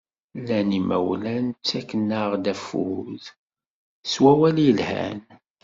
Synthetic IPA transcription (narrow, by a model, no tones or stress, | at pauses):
lːænimæ̰wlænt͡sːækːənːaʁd̪æfːṵð | swæwæljəlhæ̰n